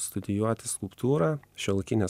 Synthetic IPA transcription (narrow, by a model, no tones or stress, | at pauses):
st̪ʊd̪ʲɪjuɔt̪ʲɪskʊlˠpt̪uːɾɑːʃʲɛlˠkʲɪnʲɛ